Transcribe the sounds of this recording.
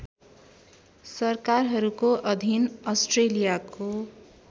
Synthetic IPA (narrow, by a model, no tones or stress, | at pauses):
sʌrkarɦʌɾukoʔʌd̪ʱinʌsʈrelijako